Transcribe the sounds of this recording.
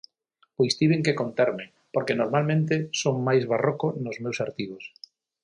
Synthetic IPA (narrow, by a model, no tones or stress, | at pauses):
ojst̪iβeŋkekont̪ɛɾmeŋ | poɾkenoɾmalmẽnt̪̬esoŋmajzβarokonozmewsaɾt̪iβos